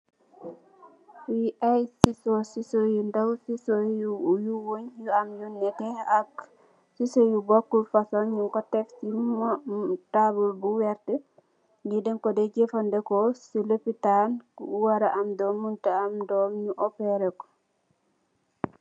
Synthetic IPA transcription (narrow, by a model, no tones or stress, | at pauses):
wiʔajsisɔsisojundawsisojujuwoɲjuamjunːɛtɛak | sisojubɔkːulfasɔɲɲuŋkɔtɛfsimɔtabulbuwɛɾtɛ | ndidɛŋkɔdɛd͡ʒefandɛkɔsiləpitankuuwaɾaʔamdɔmuntaamdɔmɲuʔɔpɛɾɛkɔ̥